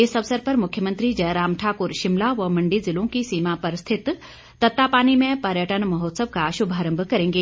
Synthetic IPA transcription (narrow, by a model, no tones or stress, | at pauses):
esɐʋsəɾpɐɾmʊkʰjəmə̃nt̪ɾid͡ʒɐːɾaːmʈʰaːkʊɾʃɪmlaʋɐmɐ̃ɳɖizɪlõkisiːmapɐɾst̪ʰɪt̪ː | ɐt̪ːapaːnimẽpɐɾjəʈənmɐɦɔːt̪səbkaɐʃubʱaːɾə̃mbʱkɐɾẽːŋɡeː